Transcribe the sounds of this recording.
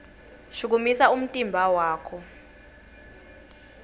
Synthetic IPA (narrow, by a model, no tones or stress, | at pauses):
ʃuk̬umisaum̩tʼimbʱawaːkʰɔ